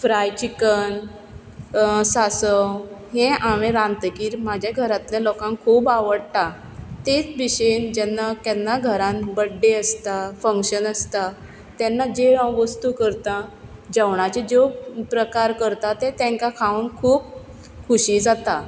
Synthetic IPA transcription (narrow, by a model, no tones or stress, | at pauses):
fɾajt͡ɕikən | sasəɦẽʔaʋẽɾãnt̪əkiːɾmad͡ʑʱjaɡʱəɾat̪ljalɔkãŋkʰuːbaʋəɽt̪a | t̪et͡sʋiɕend͡ʑɛnːakɛnːaɡʱəɾãnbəɖːeəst̪afəŋkɕənəst̪a | t̪jɛnːad͡ʑeãʋəst̪uːkəɾt̪ãd͡ʑəʋɳat͡ɕed͡zopɾəkaɾkəɾt̪at̪ɛt̪ɛ̃ŋkakʰaunkʰuːp̚ | kʰuɕiːd͡zat̪a